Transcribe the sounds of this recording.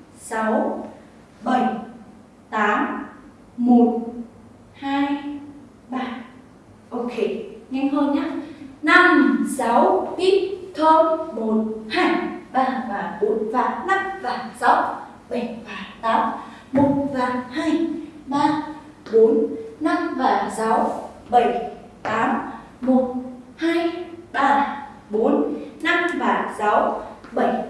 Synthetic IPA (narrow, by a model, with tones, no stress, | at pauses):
sa˨˦w | ɓə˨˩j | t̪aː˨˦m | mo˨˩t̚ | haː˧j | ɓaː˧˩ | ʔo˧kʰe˧˩ɲɛ˧ŋɦə˧nɲaː˨˦˥na˧m˨sa˨˦wʔi˦˥t̚t̪ʰəː˧mo˨˩t̚haː˧˩jɓaː˧vaː˨˩ɓo˨˦nva̰ː˧˨na˦˥k̚vaː˨˩sa˨˦w | ɓə˧˩jvaː˨˩t̪aː˨˦m | mo˨˩t̚vaː˨˩haː˧jɓaː˧ | ɓo˨˦nna˧mvaː˨˩sa˨˦wɓə˧˩j | t̪aː˨˦m | mo˨˩t̚haː˧jɓaː˧ | ɓo˨˦nna˦˥mvaː˨˩sa˨˦wɓə˧˩j